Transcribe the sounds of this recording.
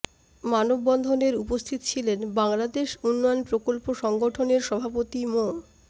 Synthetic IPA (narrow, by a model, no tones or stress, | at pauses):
manobːɔnd̪ʱoneɾupost̪ʰit̪ot͡ɕʰilenbaŋlad̪eʃunːɔjonpɾokolpoʃɔŋɡoʈʰoneɾʃɔbʱapot̪imo